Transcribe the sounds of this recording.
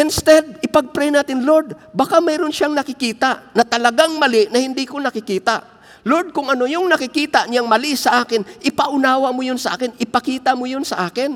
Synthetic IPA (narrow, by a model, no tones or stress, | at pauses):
ʔɪnst̪ɛd̪̚ɪpɐɡ̚pɾɛjnaːt̪ɪnloɹd̪ | bɐkamɛjɾʊnʃaŋnɐkɪkiːt̪aʔnɐt̪ɐlɐɡaŋmɐlɪʔnɐhɪnd̪ikonɐkɪkiːt̪aʔ | loɹd̪̚kʊŋɐnojʊŋnɐkɪkiːt̪aʔɲɪaŋmɐlisɐʔaːkɪnʔɪpɐʔʊnaːwɐmʊjonsɐʔa̰ːkɪnʔɪpɐkiːt̪amʊjonsɐʔaːkɪn